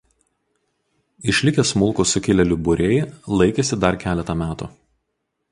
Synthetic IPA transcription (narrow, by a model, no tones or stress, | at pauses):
ɪʃʲlʲɪkʲɛsmʊlˠkʊsʊkʲɪlʲɛlʲʊbʊɾʲɛɪlˠɐɪkʲesʲɪd̪ɐɾkʲæːlʲɛt̪ɐmʲæːt̪uː